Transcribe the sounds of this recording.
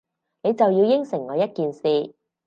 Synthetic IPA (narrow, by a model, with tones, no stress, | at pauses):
ne˨˧jt͡sɐ˨wjiː˧wjɪ˥ŋsɪ˨˩ŋŋɔː˨˧jɐ˥t̚kiː˨nsiː˨˧